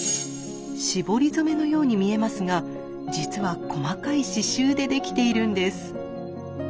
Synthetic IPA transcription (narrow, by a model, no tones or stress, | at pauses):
ɕibo̞ɾʲizɨme̞no̞jo̞ːɲ̟imʲie̞masɨɡa | d͡ʑit͡sɨβakʰo̞makaiɕiɕɨːd̪e̞d̪e̞kʲi̥t̪e̞iɾɯ̟̃nd̪e̞sɨ̥